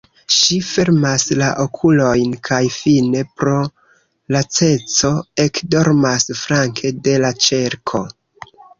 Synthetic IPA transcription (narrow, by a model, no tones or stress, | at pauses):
ʃife̞ɾmaslaʔokʰulo̞jnkʰajfine̞pɾo̞ | lat͡se̞t͡so̞e̞kdo̞ɾmasfɾaŋkʰe̞de̞lat͡ʃe̞ɾkʰo̞